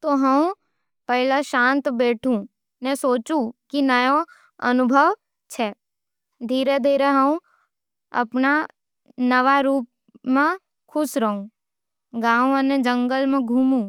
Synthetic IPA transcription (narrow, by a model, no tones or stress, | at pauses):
t̪oɦə̃ | pəɦɪlaʃãːnt̪beːʈʰũ | nɛsoːt͡ʃũkinəjo | ə̰nʊbʱəʋ | t͡ʃʰɛː | d̪ʱiːɾed̪ʱiːɾeɦəũ | ɐ̰pna | nəʋaɾuːp̚ | mẽ | kʰʊsɾəɦũ | ɡãːũənẽd͡ʒə̃ŋɡəlmẽɡʱuːmũ